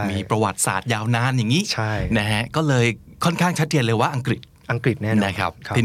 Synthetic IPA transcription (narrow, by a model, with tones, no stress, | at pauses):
miː˧pɾa˧wa˨˩t̪̚sa̰ː˨˩t̪̚jaː˧wnaː˧˥njaː˨˩ŋiː˦˥t͡ɕʰa˥jna˦˥ɦʰɛ˦˥kɔː˥˩lɤː˧jkʰɔ˥˩nkʰaː˥˩ŋt͡ɕʰa˦˥t̪̚t͡ɕe˧nlɤː˧jwaː˥˩ʔa˧ŋkɾi˨˩t̪̚ | ʔa˧ŋkɾi˨˩t̪̚nɛː˥˩na˦˥kʰa˦˥p̚t̪ʰiː˧